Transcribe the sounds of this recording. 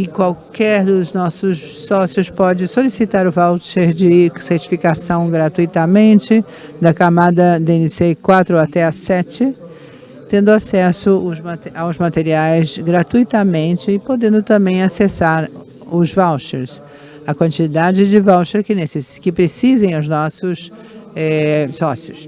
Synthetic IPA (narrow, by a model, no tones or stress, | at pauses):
ɪkwawkɛɾd̪ʊznɔsʊs | sɔsiʊspɔd͡ʒɪsolisit̪aɾʊvawʃeɾd͡ʒɪseɾt͡ʃi̥fikasɐ̃w̃ɡɾat̪ujt̪ɐmẽnt͡ʃɪ | d̪ɐkamad̪ɐd̪ẽnisekwat̪ɾʊat̪ɛɐsɛt͡ʃɪ | t̪ẽnd̪ʊasɛsʊʊzmat̪awzmat̪eɾiajzɡɾat̪ujt̪ɐmẽnt͡ʃɪːpod̪ẽnd̪ʊt̪ɐ̃mbẽj̃asesaɾ | ʊzvawʃeɾs | ɐkwɐ̃nt͡ʃid̪ad͡ʒɪd͡ʒɪvawʃeɾkɪneseskɪpɾesizẽj̃ʊznɔsʊs | ɛsɔsiʊs